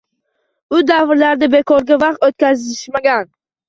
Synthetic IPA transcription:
ʊd̪avɾlaɾd̪abe̞kʰɒɾɡʲavɑqt̪ot̪̚kʲʰazɪʃmaɡʲan

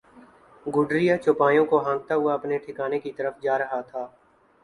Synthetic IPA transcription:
ɡʊɖɾijat͡ʃʊpaːjõkoɦãːŋɡ̚t̪aɦʊaɐpneʈʰɪkaːnekit̪ɐɾəfd͡ʒaːɾɐɦat̪ʰaː

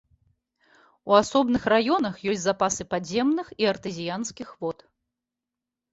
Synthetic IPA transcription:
uasɔbnɨxrajɔn̪ɐxjɔsʲt͡sʲzapasɨpazʲɛmnɨxiɐrt̪ɨzʲijanskʲixvɔt̪

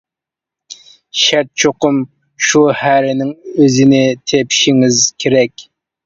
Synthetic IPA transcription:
ʃɛɾt̪̚t͡ʃʰoqʊm | ʃuhæɾɪnɪŋøzɪnɪt̪ʰepʰʃiŋɪzkʲʰeɾɛkʲ

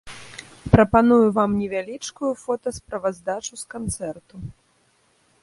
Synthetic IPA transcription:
pɾɐpanujuvamnʲɛvʲalʲit͡ʂkujufɔt̪ɐspɾɐvazd̪at͡ʂuskant̪sɛrt̪u

